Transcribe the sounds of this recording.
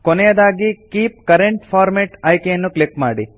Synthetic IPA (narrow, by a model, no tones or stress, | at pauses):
kɔnɛjɐd̪aːɡikiːp̚kɐɾeɳʈpʰaːɾmeʈɐjkejɐnːuklikmaːɽi